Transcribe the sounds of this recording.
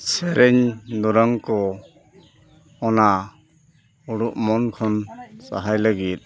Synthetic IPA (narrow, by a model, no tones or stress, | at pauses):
seɾʔeɲduɾaŋkɔ | ɔna | uɾuʔ̚mɔnkʰɔnsa̰ɦajlaɡit̚